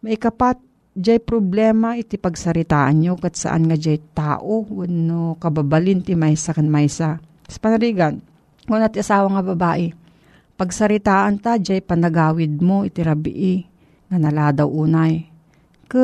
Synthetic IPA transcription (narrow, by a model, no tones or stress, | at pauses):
mɐjkɐpat̪̚ | d͡ʒajpɾoblɛːmaʔɪt̪ɪpɐɡsɐɾɪt̪aːʔanɲokɐt̪sa̰ʔa̰nŋad͡ʒajt̪aːʔownokɐbabalɪnt̪ɪmajsakanmajsa | spɐnaɾiɡan | ŋonat̪ɪʔasaːwɐŋɐbɐbaːʔɪ | pɐɡsɐɾɪt̪aːʔant̪ad͡ʒajpɐnɐɡaːwɪd̪̚moɪt̪ɪɾabɪ̰ʔɪ | ŋɐnɐlaːd̪awʔuːnaj | kɨ